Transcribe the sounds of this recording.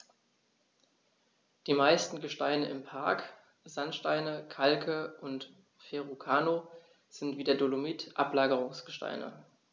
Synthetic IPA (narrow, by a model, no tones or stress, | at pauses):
d̥iːmaɪstn̩ɡəʃtaɪnəʔɪmpʰaɐk | z̥antʃtaɪnəkʰalkʰəʔʊnt | feʁukʰaːno | z̥ɪntv̥iːdeɐdolomitʔaplaːɡəʁʊŋsɡ̥əʃta̰ɪnə̰